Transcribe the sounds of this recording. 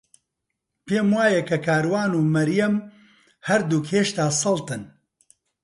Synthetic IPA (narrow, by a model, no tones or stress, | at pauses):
peːmwaːjɐkʰɐkʰaːɾwaːnuːmɐɾjɐm | hɐɾd̪uːkʰheːʃt̪aːsɐlˠt̪ɨn